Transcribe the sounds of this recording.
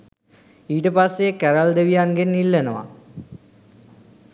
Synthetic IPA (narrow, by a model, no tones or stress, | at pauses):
iːʈəpasːekæɾald̪eʋijaŋɡenːilːənəʋa̰